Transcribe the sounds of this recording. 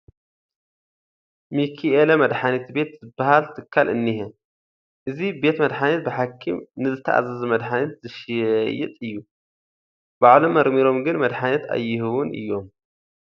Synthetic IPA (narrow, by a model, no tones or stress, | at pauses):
mikʰielɐmɐd̪ħanɐt̪be̞t̪zɨbːahalt̪ʰɨkʰːalɨnːihe | ʔɨzibe̞t̪mɐd̪ħanɐt̪̚bɨħakʰːimnɨzɨt̪ʰɐʔa̰zɐzmɐd̪ħanɐt̪zɨʃɐjɪ̰t̪ʼɨjːu | b̥aʕlomːɐɾmiɾo̞mɡɨnmɐd̪ħanɐt̪a̰jːɪhɨwʊnʔɨ̰jːo̞m